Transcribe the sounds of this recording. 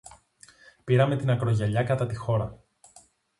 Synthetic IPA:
piɾɐme̞t̪inɐkɾo̞ʝɐʎɐkɐt̪ɐt̪ixo̞ɾɐ

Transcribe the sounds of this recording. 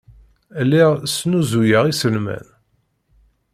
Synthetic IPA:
lːiʁsnuzujəʁisəlmæ̰n

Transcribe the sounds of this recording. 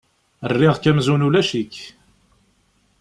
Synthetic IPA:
ərːɪʁkæmzunulæʃikː

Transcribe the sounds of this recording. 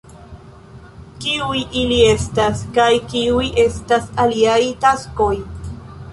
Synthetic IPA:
kiujʔilie̞staskajkiujʔe̞stasaliajtasko̞j

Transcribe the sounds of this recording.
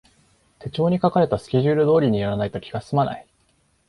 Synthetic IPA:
t̪e̞t͡ɕo̞ːɲ̟ikakaɾe̞t̪asɨ̥kʲeʑɨːɾɯ̟d̪o̞ːɾʲiɲ̟ijaɾanait̪o̞kʲiɡassɨmana̰i

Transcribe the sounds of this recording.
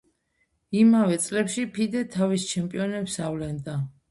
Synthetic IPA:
imavɛt̪sʼlɛpʃipʰid̪ɛt̪ʰavist͡ʃʰɛmpʼiɔnɛpsavlɛnd̪a

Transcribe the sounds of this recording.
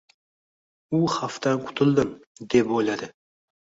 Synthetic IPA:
ʊhaft̪ʰanqʰʊ̥t̪ʰɪlˠd̪ɪmd̪e̞pojlad̪ɪ

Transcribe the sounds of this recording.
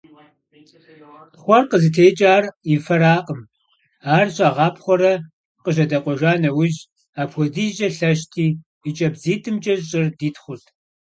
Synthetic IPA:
χʷɔrqəzɨtʰeːt͡ʃʼaːrifɐɾaːqʼəm | aːrɕʼaːʁɑːpʰχʷɔɾɐ | qəʒɐdɐqʷʼɔʒʷaːnɐwʊʒ | aːpʰxʷɔdiːʒɐɬɐʃ̬tʰiː | it͡ʃʼɐbziːtʰɨmt͡ʃʼɐʑɕʼɪrdiːtʰχʷʊtʰ

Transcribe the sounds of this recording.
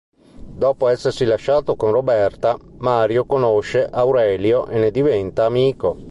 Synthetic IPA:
d̪ɔːpoɛsːersilaʃːaːt̪okonrobɛrt̪amaːɾjokonoʃːeʔawɾɛljoʔenːed̪ivɛnt̪aːmiːko

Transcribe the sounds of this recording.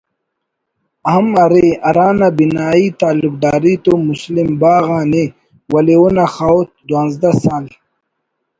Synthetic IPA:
aɐmɐɾiɐɾaːnabinaːit̪aːluk̚d̪aːɾit̪umuslimbaːɣaːni | wɐliunaxaːwt̪̚d̪waːnzd̪asaːl

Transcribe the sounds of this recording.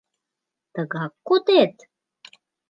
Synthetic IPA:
t̪əɣɑkːot̪et̪

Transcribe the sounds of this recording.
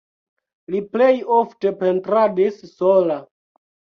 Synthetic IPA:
liplejofte̞pe̞ntɾadissola

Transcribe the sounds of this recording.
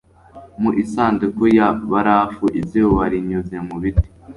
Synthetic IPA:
muʔisaːndikujaβaɾafuʔiziwoβaɾiɲuzemuβiti̥

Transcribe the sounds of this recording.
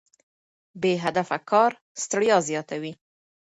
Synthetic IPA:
beɦad̪afakʰɑɾ | st̪ɽjɑzjɑt̪awi

